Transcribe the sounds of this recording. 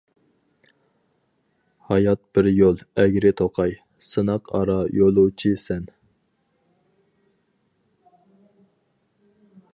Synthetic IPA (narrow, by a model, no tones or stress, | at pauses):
hɑjɑt̪̚b̥ɪɾjolˠɛɡʲɾɪt̪ʰoqʰɑj | sɨnɑqʰɑ̰ɾɑjolˠut͡ʃʰisɛn